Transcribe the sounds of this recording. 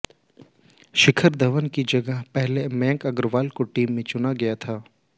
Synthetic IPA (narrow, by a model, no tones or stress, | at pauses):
ʃɪkʰəɾd̪ɐʋənkid͡ʒɐɡəɦpɛɦlemɛ̃ːŋkɐɡɾʋaːlkoʈiːmːẽt͡ʃʊnaɡɐjat̪ʰaː